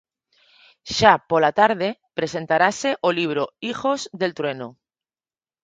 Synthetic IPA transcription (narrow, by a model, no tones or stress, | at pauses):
ʃapolat̪aɾðe̞pɾe̞se̞nt̪aɾase̞ʔoliβ̞ɾoixo̞zðe̞lt̪ɾwe̞no